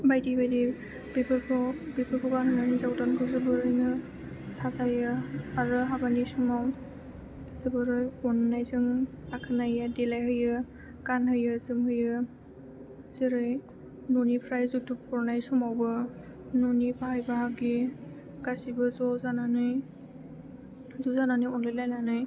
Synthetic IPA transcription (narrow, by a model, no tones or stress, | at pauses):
bajdijbajdi | bibɯɔbipʰɯkʰuɡanɯnanɯjzawtankʰɯzɯbɯɾɯjnɯ | sazajɯaɹɯɦabanisumaw | zɯbɯɾɯjɔnnajzɯŋakʰɯnajadɛlajɦɯjɯ | kanɦɯjɯzɯmhɯjɯ | z̥ɯɾɯj | nɔnipʰɾajzutuppɔɾnajsumawbɯ | nɔnibaɦajbaɦaɡi | ɡ̥asibɯzɔzananɯj | zuzananɯjɔnlajlajnanɯj